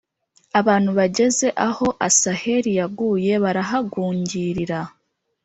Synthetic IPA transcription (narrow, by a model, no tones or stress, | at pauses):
aβaːn̥huβaɟe̞ze̞ʔaho̞ʔasahe̞ɾijaɡuːje̞βaɾaɦaɡuːɲɟiːɾiɾa